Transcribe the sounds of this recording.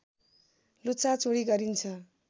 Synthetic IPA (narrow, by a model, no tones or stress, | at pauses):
lut͡sʰat͡soɽiɡʌɾint͡sʰʌ